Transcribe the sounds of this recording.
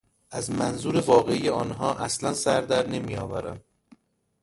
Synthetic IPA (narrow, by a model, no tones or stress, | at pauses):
ʔæzmænzuːɾe̞vɒːɣeijeɒːnɦɒːʔæslænsæɾd̪æɾne̞mijɒ̰ːvæ̰ɾæ̰m